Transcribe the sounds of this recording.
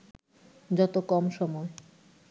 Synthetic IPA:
d͡ʑɔt̪okɔmʃɔmɔe

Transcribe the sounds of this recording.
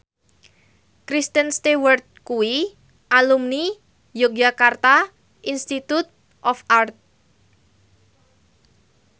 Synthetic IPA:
kɾist̪ənst̪ewərt̪̚kuwi | ʔalumni | jok̚d͡ʒakart̪a | ʔinst̪it̪ut̪̚ | ʔɔfʔart̪̚

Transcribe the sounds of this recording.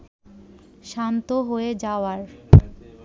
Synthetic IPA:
ʃant̪oɦoed͡ʑaoaɾ

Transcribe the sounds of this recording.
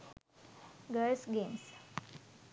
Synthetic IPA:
ɡəlsɡems

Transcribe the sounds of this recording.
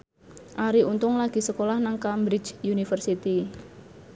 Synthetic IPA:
ʔaɾiʔunt̪ʊŋlaɡ̥i̤səkolahnaŋkambɾit͡ʃjunifərsit̪i

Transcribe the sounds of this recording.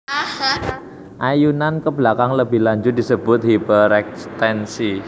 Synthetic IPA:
ʔajunankəblakaŋləbɪhlaɲd͡ʒʊt̪̚disəbʊt̪̚ɦhipəɾɛkst̪ɛnsi

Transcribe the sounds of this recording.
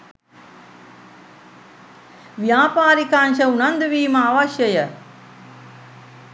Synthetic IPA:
ʋijaːpaːɾikanʃəunand̪uʋiːmɐaːʋaʃjəjə

